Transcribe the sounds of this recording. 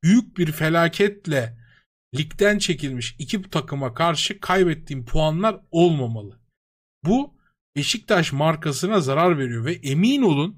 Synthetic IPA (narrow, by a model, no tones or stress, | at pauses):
byjyc̚biɾfe̞lʲaːcʰɛt̪lʲɛ | lʲict̪ʰænt͡ʃʰe̞cʰilʲmiʃicʰibt̪ʰakʰɯmakʰaɾʃɯkʰajbɛt̪ʰːiːnpʰuanlˠaɾo̞lˠmamalˠɯ | bu | e̞ʃic̚t̪ʰaʃmaɾkasɯnazaɾaɾve̞ɾijo̞vɛʔemiːno̞lˠun